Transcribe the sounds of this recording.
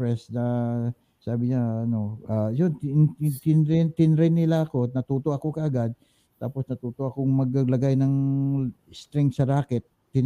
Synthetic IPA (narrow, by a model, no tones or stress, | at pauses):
ɾɛsnɐ | saːbɪɲaɐno̞ʔajont̪ɪnɾɛt̪ɪnɾɪnːɪlaɐko̞nɐt̪uːt̪oʔɐko̞kɐʔɐɡad̪̚ | t̪aːposnɐt̪uːt̪oʔɐkoŋmɐɡ̚ɐɡlɐɡajnɐŋ | st̪ɾɛŋksɐɾaːkɛt̪̚ːɪn